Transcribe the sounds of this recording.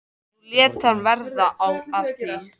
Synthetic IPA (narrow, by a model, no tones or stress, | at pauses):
uljɛːt̪anvɛɾðaʔawat̪i